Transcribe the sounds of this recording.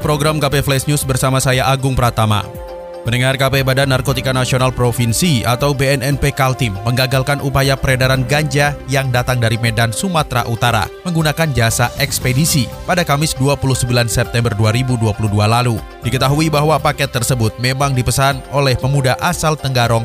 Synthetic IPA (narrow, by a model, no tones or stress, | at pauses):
pɾoɡɾamkapeflɛsnʊsbərsamasajaʔaɡʊŋpəɾat̪ama̰ | mənəŋarkapebadanarkot̪ikanasionalpɾofinsia̰t̪awbeɛnɛnpekalt̪ɪmːəŋɡaɡalkanʔupajapəɾedaɾanɡaɲd͡ʒajaŋdat̪aŋdaɾimedansumat̪ɾa̰ʔut̪aɾa̰məŋɡunakand͡ʒasaʔɛkspedisipadakamɪsduapuluhsəmbilansɛp̚t̪ɛmbərduaɾibuduapuludualalu | dikət̪aɦuibaɦwapakɛt̪ːərsəbʊt̪̚memaŋdipəsanolɛhməmudaʔasalt̪əŋɡaɾɔŋ